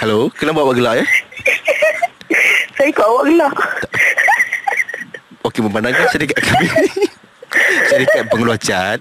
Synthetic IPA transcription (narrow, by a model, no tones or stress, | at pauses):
halokənabuaʔ̚waʔɡəlaʔja | sajikɔʔawaʔɡəla | okeməmpandaŋkasəɾikat̪̚kami | səɾikat̪̚pəŋuluat͡ʃat̪̚